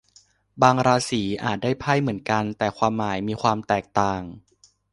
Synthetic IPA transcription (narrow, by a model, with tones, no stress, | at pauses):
baː˧ŋɾaː˧siː˩˦ʔa̰ː˨˩t̪̚da˥˩jpʰa˥˩jmɯ˩˦ənka˧nt̪ɛː˨˩kʰwaː˧mːaː˩˦jmiː˧kʰwaː˧mt̪ɛː˨˩k̚t̪aː˨˩ŋ